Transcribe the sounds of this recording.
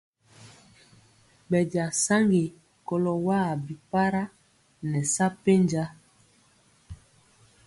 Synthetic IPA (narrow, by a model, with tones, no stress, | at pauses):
ɓɛ˨ɟa˨sa˦ŋɡe˨ | kɔ˨lɔ˨wa˦˨bi˨pa˦ɾa˦ | nɛ˨sa˦pe˦ɲd͡ʒa˦